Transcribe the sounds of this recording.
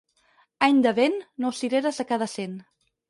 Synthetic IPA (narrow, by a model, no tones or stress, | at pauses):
aɲd̪əβenːosiɾeɾəzəkaðəsen